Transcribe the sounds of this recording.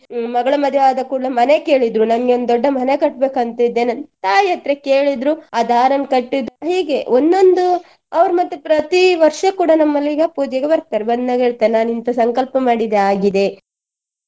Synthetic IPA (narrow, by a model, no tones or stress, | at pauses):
mɐɡɐɭɐmɐd̪ʱjɐaːd̪ɐkuːɽɐmɐne̞ke̞ːɭid̪ɾunɐmɐɡeond̪d̪ɔɖːɐmɐnekɐʈ̚beːkɐnt̪ɐid̪ːeːnɐnt̪aːɐt̪ɾekeːɭid̪ɾuɐd̪aːɾɐnkɐʈːid̪uɦiːɡeʔond̪o̞nd̪u | ɐʋɐɾmɐt̪ːupɾɐt̪iʋɐɾʂɐkuːɽɐnɐmːɐlːiːɡɐpuːd͡ʒjɐɡebɐɾk̚t̪aːɾebɐnːɐɡɦeːɭt̪aːɾenaːnint̪ɐsɐŋkɐlpɐmaːɽid̪eaːɡid̪e̞